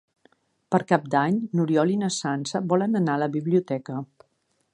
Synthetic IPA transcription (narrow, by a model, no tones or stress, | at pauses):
pəɾkap̚d̪aɲnuɾiɔlinəsansəβɔlənənaləβiβliut̪ɛkə